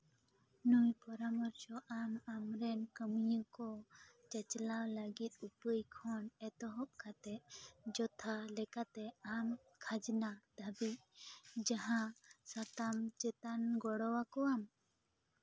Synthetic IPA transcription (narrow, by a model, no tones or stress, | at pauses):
nujpɔɾamɔɾsɔʔamamɾɛnkəmijəkɔt͡ʃət͡ʃlawləɡit̪̚upəjkʰɔnɛt̪ɔɦɔp̚kʰat̪ɛʔd͡ʒɔt̪ʰalɛkat̪ɛam | kʰad͡ʒnad̪̥abiʔ̚d͡ʒaɦãsat̪amt͡ʃɛt̪anɡɔɽɔwakɔam